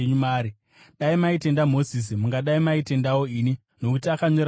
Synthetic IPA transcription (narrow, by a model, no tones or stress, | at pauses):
ɲumaːɾi | ɗaimaite̞ndamo̞zis̬imuŋɡaɗaimaite̞ndawo̞iːni | no̞kutiakaɲo̞ɾ